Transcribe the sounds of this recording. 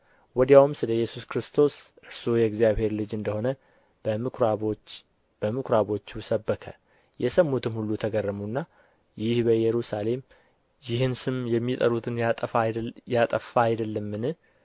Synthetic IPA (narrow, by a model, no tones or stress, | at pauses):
wɔd̪jawmsɨləjːɛsuskɾɨst̪ʰo̞sʔɨɾsojɛɡzijaβhe̞ɾlɨd͡ʒɨnd̪əho̞nə | bəko | b̥əmɨkʰɾaβo̞t͡ʃːusəbːəkʰə̰ | jʔɛsəmːut̪ʰɨnhulːut̪ʰəɡərːəmunːa | jɪhbəjɛɾusale̞m | jɪhɨnsɨmjɛmːit̪ʼəɾut̪ʰɨnʼəajat̪ʼəfːaːjd̪əlːəmːɨnɨ